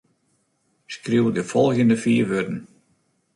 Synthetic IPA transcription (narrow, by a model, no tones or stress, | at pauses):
skriwdəfɔlˠxjəndəfiːʋødn̩